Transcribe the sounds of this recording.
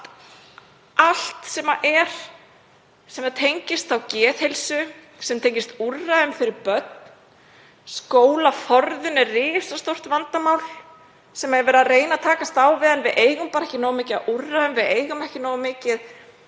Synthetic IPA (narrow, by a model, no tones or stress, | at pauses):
ʔal̥t̪sɛmaʔɛɾ̥ | sɛmaðt̪ʰejɲcɪst̪θawcɛːðhelsʏ | sɛmt̪ʰejɲcɪst̪urːaðʏmfɪɾɪɾpœt̪̚n | skoːwlafɔɾðʏnɛrrɪːsast̪owr̥t̪vant̪amawl̥ | sɛmaɛɾvɛːɾɪðrɾeːjnat̪ʰaːkast̪aːwvɪðanvɪðʔeːjɣʏmpaɾɛhcɪnoːwmɪːcɪa̰ʔurːaðʏmvɪðeːjɣʏmɛhcɪnɔːwɣamːɪːcɪð